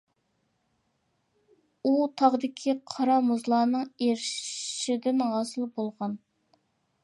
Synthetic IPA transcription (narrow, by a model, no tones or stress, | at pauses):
ut̪ʰɑʁd̪ɪkʲʰiqʰɑɾɑmuzlˠɑːnɨŋeɾʃɪd̪ɪnʁɑːsɨlˠbolˠʁɑn